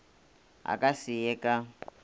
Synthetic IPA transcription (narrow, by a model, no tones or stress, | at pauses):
a̰kʼasɪjɛkʼa